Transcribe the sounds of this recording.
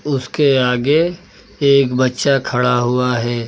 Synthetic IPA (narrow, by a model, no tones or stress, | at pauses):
ʊskeaːɡe | eːkbɐtːʃakʰɐɽaɦʊaɦɛː